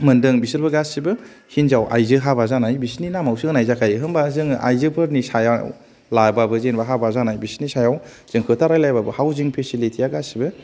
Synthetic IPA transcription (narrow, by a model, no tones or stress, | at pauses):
mɯndɯŋbisɯɾbɯɡasibɯ | hinzawa̰jzɯɦabazanajbisninamawsiɯnajzakʰajɦɯmbazɯŋa̰jzɯpʰɯɾnisajaw | lajbabɯzenbaɦabazanajbisnisajaw | z̥ɯŋkʰɯtʰaɾajlajbabɯhawziŋpʰesilitʰijaɡasibɯ